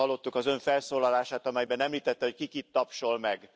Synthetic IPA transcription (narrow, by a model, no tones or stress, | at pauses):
ɒlːo̞t̪ːukɒzø̞ɱfɛlsoːlɒlaːʃaːt̪ɒmɛjbɛnɛmliːt̪ɛt̪ːɛho̞ckikit̪ːɒpʃo̞lmɛɡ